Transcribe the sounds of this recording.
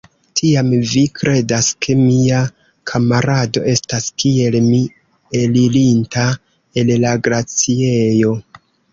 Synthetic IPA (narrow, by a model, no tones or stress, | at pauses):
tʰiamvikʰɾʔe̞daskʰe̞mia | kʰamaɾado̞ʔe̞staskie̞lmi | elilinta | e̞llaɡɾat͡siejo̞